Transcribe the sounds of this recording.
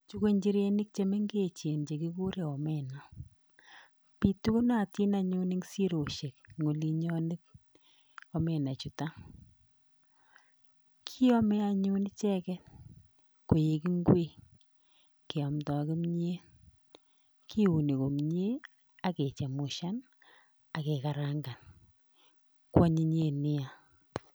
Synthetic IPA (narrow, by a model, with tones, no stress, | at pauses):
t͡ʃu˦ko˦ɲd͡ʒi˦ɾe˦ni˦k̚t͡ʃe˦me˦ŋɡe˦˨t͡ʃe˨nt͡ʃe˨ki˦ku˦ɾe˨ɔ˨mɛ˨nɔ˨ | pi˨tu˦kʊ˦na˦˨ti˦na˨ɲu˦ni˦ŋsi˦ɾo˨ʃe˨kŋo˨li˦ɲɔ˦nɪ˦t̚ | ɔ˦mɛ˨na˨t͡ʃu˨ta˦ | kʰi˦ɔ˦mɛ˦a˨ɲʊ˦nɪ˦t͡ʃɛ˦kɛ˦ | ko˨je˨ki˦ŋɡwe˦ | ke˨ɔ˨mtɔ˨kɪ˦mɲe˦ | kʰi˦u˨ni˨ko˨mɲe˦ | a˨˦ke˨t͡ʃɛ˨mʊ˨ʃa˦n | a˨kɛ˨ka˨ɾa˦ŋɡa˨n | kwa˦ɲi˦ɲe˦˨nɪ˦a˨